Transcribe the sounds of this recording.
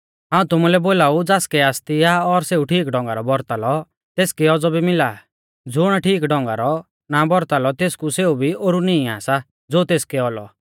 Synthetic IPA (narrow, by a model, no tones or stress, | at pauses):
ɦãːũt̪ʊmulɛboːlaːud͡zaːskɛaːst̪iaɔɾseːuʈʰiːkɖɔ̃ŋ̆ɡaɾɔbɔɾt̪alɔ | t̪eːskɛɔd͡zɔbimɪlaː | d͡zʊɽ̃aʈʰiːkɖɔ̃ŋɡaɾɔ | nabɔɾt̪alɔt̪eːskuseːubʱioːɾunĩĩa̰ːsa | d͡zoːt̪eːskɛɔlɔ̰